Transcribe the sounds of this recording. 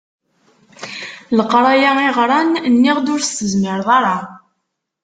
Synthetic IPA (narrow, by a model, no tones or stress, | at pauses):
ləqːɾˤɑjaiʁɾˤɑnnːiʁd̪ʊɾsəzməɾðˤɑɾˤɑ